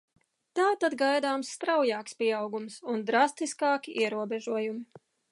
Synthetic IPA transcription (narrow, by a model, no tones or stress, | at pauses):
t̪aːt̪ad̪ɡajd̪aːmsːt̪ɾawjaːkspiɛɑwɡumsund̪ɾast̪iskɑːkʲiʔiɛɾuɔbɛʒuɔjumi